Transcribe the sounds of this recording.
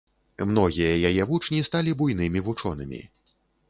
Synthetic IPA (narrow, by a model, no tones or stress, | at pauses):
mn̪ɔɣʲijɐjajɛvut͡ʂnʲist̪alʲibujn̪ɨmʲivut͡ʂɔnɨ̰mʲḭ